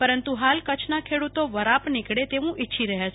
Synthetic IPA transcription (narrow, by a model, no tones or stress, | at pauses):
pəɾənt̪uɦalkət͡ʃʰnakʰeɽut̪oʋəɾapnɪkɽet̪eʋũʔitːʃʰiɾəɦat͡ʃʰ